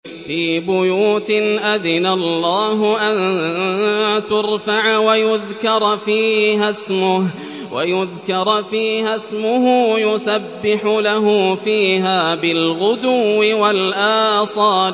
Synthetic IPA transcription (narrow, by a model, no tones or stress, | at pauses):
fiːbʊjuːt̪ɪʔaðɪnalˤːaːɦʊʔan | t̪ʊɾfaʕwajʊðkɑɾˤfiːhasmʊ | wajʊðkɑɾˤfiːhasmʊɦʊːjʊsabːɪħʊlaɦufiːɦaːbɪlɣʊd̪uːɪwalʔaːsˤɑː